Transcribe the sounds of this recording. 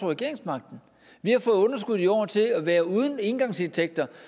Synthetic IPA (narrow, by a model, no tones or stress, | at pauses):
oʁɛɡe̝̰ɐe̝ŋsmɑ̈ɡ̥̚d̥n̩ | ʋihɑ̈fɔ̽ːð̩ˠɔ̽nɐs̬ɡ̥uð̞ˠiɒ̰ːt͡sʰe̝æʋæːɐuð̞ˠn̩e̝nɡ̥ɑ̈ŋse̝nt͡sʰeɡ̥̚d̥ɐ